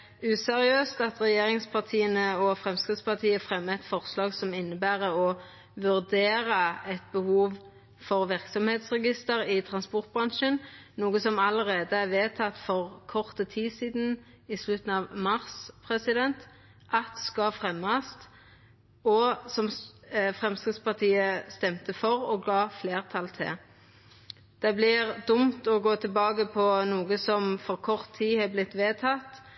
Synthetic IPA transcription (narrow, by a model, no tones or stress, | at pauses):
ʉːsɛʁɪøːst̪ɑt̪ʁɛjeːʁɪŋspʰɑʁt̪ʰiːənəɔfʁɛmskɾɪd̪spɑʁt̪ʰiːəfʁɛmːəɛt̪fɔʁslɑːɡsɔmɪnːəbæːʁəɔ | ʋʉʁd̪eːʁəɛt̪̚bəhuːʋ | fɔʁʋɪʁksɔmheːt̪sʁɛɡɪst̪əʁɪt̪ʰʁɑnspɔʁt̪̚bʁɑnʃənnuːɡəsɔmɑləʁeːd̪əæʋeːt̪ʰɑt̪ːfɔʁkʰɔʁt̪ət̪ʰiːsiːd̪n̩ | ɪslʉt̪n̩ɑʋmɑʁspʰʁɛsɪd̪ɛnt̪ | ʔɑt̪skɑfʁɛmːɑst̪ | ɔsɔmfʁɛmskʁɪd̪spɑʁt̪ʰiːəst̪ɛmt̪əfɔʁɔɡɑːfleːʁt̪ʰɑlt̪ʰɪ̰ | d̪̥ɛblɪʁd̪ʊmt̪ɔɡoːt̪ʰɪlbɑːɡəpʰɔnuːɡəsɔmfɔʁkʰɔʁt̪ʰːiːhɛblɪt̪ʋeːt̪ʰɑt̪